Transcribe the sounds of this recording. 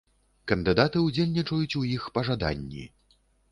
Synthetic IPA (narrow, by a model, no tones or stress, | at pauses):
kɐnd̪ɨd̪at̪ɨud͡zʲelʲnʲit͡ʂɐjut͡sʲujixpɐʐad̪a̰nʲːḭ